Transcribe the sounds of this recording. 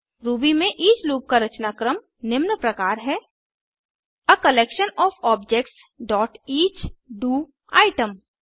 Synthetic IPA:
ɾuːbimẽʔiːd͡ʒluːp̚kaɾɐt͡ʃnaːkɾəm | nɪmnpɾɐkaːɾɦɛː | əkəleːkʃənɔːfɔːb̚d͡ʒeːkʈs | ɖɔːʈiːt͡ʃɖuː | a̰ːɪʈəm

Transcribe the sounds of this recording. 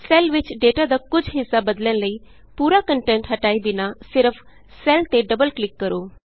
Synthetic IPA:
selʋɪt͡ʃɖeːʈad̪ɐkʊd͡ʒʱɦɪsːabəd̪lənləi | puːɾakəɳʈẽɳʈɦɐʈaːibɪnasɪɾfʰ | selt̪eɖəbəlklɪkːəɾoː

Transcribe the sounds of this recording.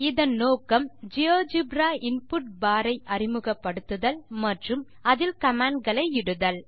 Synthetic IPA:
ɪðɐnnːoːkɐmd͡ʒɪoːd͡ʒɪbɾaːɪnpʊʈ̚baːɾɐɪʔɐrɪmɯɣɐpːɐɽɯt̪ːɯðɐlmɐʈrɯm | ɐðɪlkɐmaːɳɡɐɭɐɪɪɽɯðɐl

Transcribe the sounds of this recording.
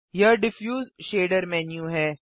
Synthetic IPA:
jɐɾɖɪfjuːzʃeːɖəɾmɛ̃ːnjuɦɛː

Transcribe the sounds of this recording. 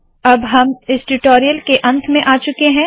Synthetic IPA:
ɐbɦɐmɪsʈʊʈoːɾijəlkeʔɐ̃nt̪ʰmẽʔaːt͡ʃʊkeɦɛ̃ː

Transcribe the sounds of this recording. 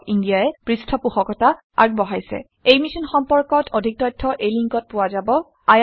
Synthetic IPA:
indijaɛpɹistʰɔpuxɔkɔta | a̰ɡ̚bɔɦajsɛ̰ | ejmisɔnxɔmpɔɹkɔtʰodʱik̚tɔjtʰːɔʔejliŋkɔt̚pʊwazabɔ | aj

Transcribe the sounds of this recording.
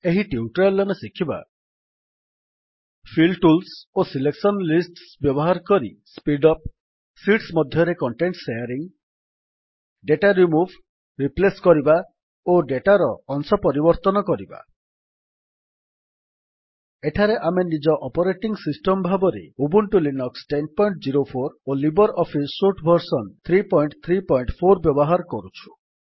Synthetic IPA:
eɦiʈiuʈɔɾlːɔmesikʰiba̰ | pʰilʈulsosileksɔnlisʈsbjɔbɔɦaɾɔkɔɾḭ | spiɖɔp̚ | siʈsmɔd̪ʱjɔɾekɔɳʈeɳʈsejɔɾiŋ | ɖeʈaɾimubʱ | ɾipleskɔɾiba | oɖeʈaɾɔːnsɔpɔɾibɔɾt̪ɔnɔkɔɾiba̰ | eʈʰaɾeʔamenid͡ʒɔʔɔpɔɾeʈiŋsisʈɔmbʱabɔɾḛubuɳʈulinɔksʈenpɔiɳʈd͡ʒiɾopʰoɾolibɔɾɔpʰisːuɾʈbʱɔɾsɔnt̪ʰɾipɔjɳʈt̪ʰɾipɔiɳʈpʰoɾbjɔbɔɦaɾɔkɔɾut͡ʃʰu̥

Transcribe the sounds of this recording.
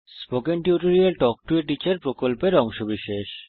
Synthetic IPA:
spokenʈiuʈoɾielʈɔk̚ʈueʈit͡ɕeɾpɾokolpeɾɔŋʃobiʃeʃ

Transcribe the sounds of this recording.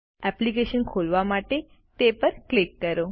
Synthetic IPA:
ɛplikeʃənkʰolʋamaʈe | t̪epəɾklikːəɾo

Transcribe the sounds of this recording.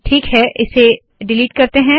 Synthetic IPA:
ʈʰiːkɦɛʔɪse | ɖɪliːʈkɐɾt̪eɦɛ̃

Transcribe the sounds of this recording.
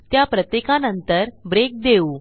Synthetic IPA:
t̪japɾət̪jekanənt̪əɾbɾek̚d̪euː

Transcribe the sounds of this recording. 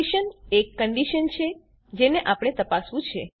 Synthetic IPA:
iʃənekːəɳɖiʃənt͡ʃʰe | d͡ʒeneʔapəɽ̃et̪əpasʋũt͡ʃʰe

